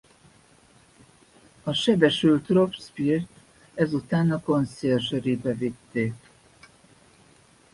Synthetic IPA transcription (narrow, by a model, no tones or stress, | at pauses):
ɒʃɛbɛʃylt̪ro̞pspirt̪ | ɛzut̪aːnɒko̞nsɛrʒɛɾibɛvit̪ːeːk